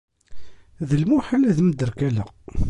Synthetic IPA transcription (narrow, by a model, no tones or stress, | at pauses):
ðəlmuħalæðməd̪əɾkælə̰q